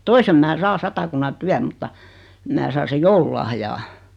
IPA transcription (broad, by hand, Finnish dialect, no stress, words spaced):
toisem mæː sɑː sɑtɑkunːɑ tyæm mutːɑ mæ sɑː sej joululɑhjɑː